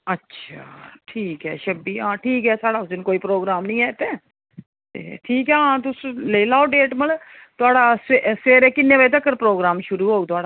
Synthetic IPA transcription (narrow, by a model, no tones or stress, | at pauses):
ətːʃʰa̰ːʈʰiːkɦɛ̰ːʃəbiːãːʈʰiːkɦɛːsaːɽaːʊsɪnkoːiːpɾoːɡɾaːmnəĩːɛːt̪ẽː | t̪ḛːʈʰiːkɛːãːt̪ʊsleilaːoɖeːʈməl | t̪ʊaːɽaːseseːɾeːkɪnːeːʋaːit̪əkːəɾpɾoːɡɾaːmʃʊɾuːɦoːut̪ʊaːɽa